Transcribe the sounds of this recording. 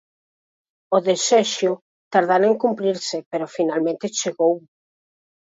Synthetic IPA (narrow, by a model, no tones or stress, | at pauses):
ʊðeseʃʊ | t̪aɾðaɾeŋkumpɾiɾsɪpeɾʊfinalmẽnt̪ɪt͡ʃeɣow